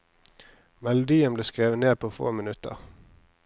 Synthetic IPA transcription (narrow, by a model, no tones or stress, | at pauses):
mɛlʊd̪iːəmbleːskʁeːʋəneːd̪̚pʰoːfo̰ːmɪnʉt̪ə̰ʁ